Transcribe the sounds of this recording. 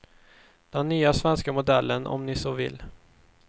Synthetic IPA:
d̪̥ɛnːyːasvɛnskamʊd̪ɛlːənʔɔ̰mnɪsoːvɪ̰lː

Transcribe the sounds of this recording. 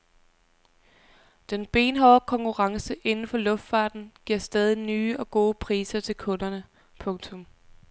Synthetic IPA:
d̥enb̥e̝̰ːnɦɒʊkʰɒ̽ŋkʰuʁɑ̈ŋsəʔe̝nn̩fɒ̽lɔ̽fd̥fɑ̈ːd̥n̩ɡ̥iɐ̰sd̥ɛːð̞ˠinyːʔɒ̽ɡ̥o̝ːpʰʁḭːsɐt͡sʰe̝lkʰɔ̽nɐnə | pʰɔ̽ŋt͡sʰɔ̽m

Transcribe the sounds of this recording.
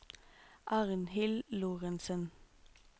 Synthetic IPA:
ʔɑːʁənhɪlluːʁənsən

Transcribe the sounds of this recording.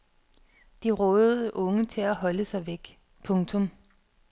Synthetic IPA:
d̥iʁɔ̽ːð̩ˠʔɔ̽ŋət͡sʰe̝læɦɒ̽ləsɑ̈ɪʋeɡ̥ | pʰɔ̽ŋt͡sʰɔ̽m

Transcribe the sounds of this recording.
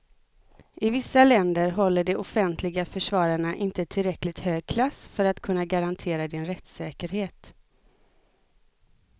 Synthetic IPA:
ʔɪvɪsːalɛnd̪əɾɦɔlːəɖɛʊfɛnt̪ʰlɪɡafœʂvɑːɾaɳaʔɪnt̪ət̪ʰɪlɾɛklɪɡt̪høːɡ̚kʰlasfœɾat̪kʰɵnːaɡaɾant̪ʰeːɾad̪ɪnɾɛt̪sɛːkəɾɦeːt̪

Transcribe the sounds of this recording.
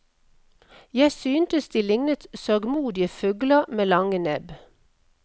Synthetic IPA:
jæɪsyːnt̪əsd̪iːlɪŋnət̪sœɡmuːd̪ɪəfʉɡləmeːlɑŋənɛb

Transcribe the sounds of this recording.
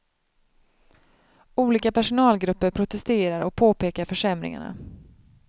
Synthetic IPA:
uːliːkapæʂʊnɑːlɡɾɵpːəɾpʰɾʊt̪ɛst̪eːɾaɾʔɔk̚pʰoːpeːkaɾfœʂɛmɾɪ̰ŋa̰ɳa̰

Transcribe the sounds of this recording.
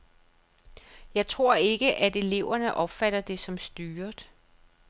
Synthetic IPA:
jɑ̈ɪt͡sʰʁo̝ɐ̰e̝ɡ̥əʔæd̥e̝le̝ʊ̰ɐnəʔɒ̽b̥fæɾ̥ɐd̥e̝sɒ̽msd̥yːɐd̥

